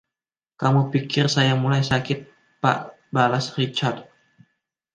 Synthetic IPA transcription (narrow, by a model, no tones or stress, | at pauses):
kamupikɪrsajamulajsakɪt̪̚ | pa̰ʔ | balasrit͡ʃard̪̚